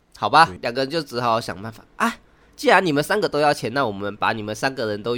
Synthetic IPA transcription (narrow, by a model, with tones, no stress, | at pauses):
xɑ˨˩ʊba˦ljɑ˨ŋɡə˦˧ə˧˦nt͡ɕjo˥˩ʊt͡s̩˧˥xɕjɑ̰˨˩ŋpa˥˩nfḁ˨˩ʔa˥˩ɪ | t͡ɕi˥˩la˧˥ni˨˩mə˦nsa˥nɡə˨t̪o˥ʊjɑ˥˩ʊt͡ɕʰjɛ˧˥na˥˩wɔ˨˩mə˦npa̰˧˥ni˨˩mə˦nsa˥nɡə˨ɻə˧˦nt̪o˥ʊ